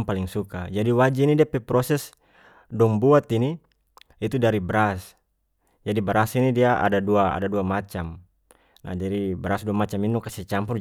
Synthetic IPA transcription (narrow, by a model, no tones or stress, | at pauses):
ŋpaliŋsuka̰d͡ʒadiwad͡ʒiinidiapɛpɾɔsɛs | dɔŋbuat̪iniː | t̪udaɾibɾas | d͡ʒadibɾasinidiaʔa̰daduaa̰daduamat͡ʃam | na̰d͡ʒaɾibɾasduamat͡ʃaminukasɛt͡ʃampur